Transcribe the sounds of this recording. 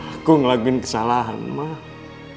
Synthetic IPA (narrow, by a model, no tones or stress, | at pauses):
kuŋlaɡinkə̥salaɦa̰nmah